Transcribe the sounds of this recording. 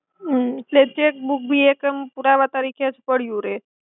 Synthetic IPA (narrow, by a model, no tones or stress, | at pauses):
t̪let͡ɕek̚buk̚bʱiːekəmpuɾaʋat̪aɾikʰespəɽ̤juɾe